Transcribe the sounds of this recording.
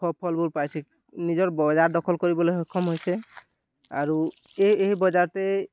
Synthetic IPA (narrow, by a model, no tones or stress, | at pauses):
ɔpʰɔlbulpajsʰe | nizɔɹbɔzaɹdɔkʰɔlkoɹibɔleɦɔkʰːɔmɦojse | a̰ɹu | eeɦbɔzaɹt̪e